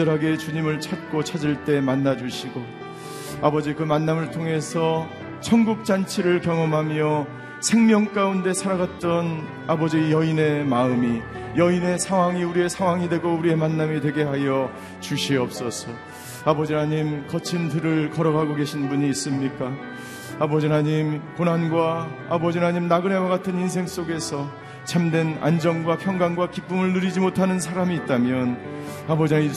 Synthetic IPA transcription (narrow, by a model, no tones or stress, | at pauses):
ʌɾɦaɡe̞t͡ɕuɲimɯɭt͡ɕʰat̚k͈ot͡ɕʰad͡ʑiɭt͈e̞manːad͡ʑuɕʰiɡo | abʌd͡ʑikɯmanːamɯɭtʰoŋe̞sʰʌ | t͡ɕʰʌŋɡuk̚t͡ɕ͈ant͡ɕʰiɾɯɭkjʌŋʌmɦamjʌ | sʰe̞ŋmjʌŋk͈aunde̞sʰaɾaɡat̚t͈ʌn | abʌd͡ʑijʌine̞maɯmi | jʌine̞sʰaŋwaŋiuɾie̞sʰaŋwaŋidwe̞ɡouɾie̞manːamidwe̞ɡe̞ɦajʌ | t͡ɕuɕʰiʌp̚s͈ʌsʰʌ | abʌd͡ʑinaɲimkʌt͡ɕʰintɯɾɯɭkʌɾʌɡɦaɡoɡe̞ɕʰinbuɲiːs͈ɯmɲik͈a | abʌd͡ʑinaɲimkonɦanɡwa | abʌd͡ʑinaɲimnaɡɯnewaɡatʰɯnins̬ʰe̞ŋs͈oɡe̞sʰʌ | t͡ɕʰamdwe̞na̰nd͡ʑʌnɡwapʰjʌŋɡaŋɡwakip͈umɯɭnɯɾid͡ʑimotʰanɯnsʰaɾamiːt̚t͈amjʌnabʌd͡ʑii